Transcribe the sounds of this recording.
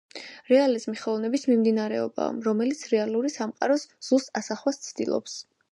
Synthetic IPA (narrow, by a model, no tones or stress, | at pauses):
ɾɛalizmiχɔvnɛbismimd̪inaɾɛɔba̰a̰mɾɔmɛlit̪sʰɾɛalˠuɾisamqʼa̰ɾɔsz̥ust̪ʼasaχwast̪sʰd̪ḭlˠɔ̰ps